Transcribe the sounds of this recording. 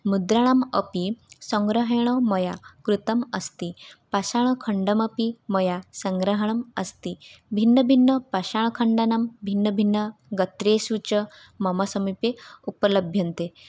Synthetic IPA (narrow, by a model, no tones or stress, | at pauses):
mud̪ɾaɳ̃aməpisəŋɡɾəɦɽ̃ɔmɔjakɾut̪ɐməst̪ipasaɳ̃kʰəɳɖɐməpimɐjasɐŋɡɾəɦɐɳ̃ɐmɐst̪ibʱinːəbʱinːəpaɕaɳ̃kʰəɳɖanambʱinːəbʱinːəɡɐt̪ɾeːsut͡ɕə | mɐmɐsəmipeupələbʱjɐnt̪e